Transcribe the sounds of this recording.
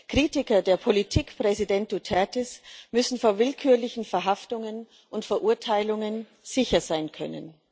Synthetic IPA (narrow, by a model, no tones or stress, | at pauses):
kʁ̥iːtɪkɐdeːɐpʰolitʰiːkpʁ̥ɛzidɛnt̚d̥utʰɛɐtɛsmʏsn̩foːɐvɪlkʰyːɐlɪçn̩fɛɐɦaftʊŋən | ʔʊntfɛɐʔuɐtʰaɪlʊŋən | z̥ɪçɐzaɪnkʰœ̰nə̰n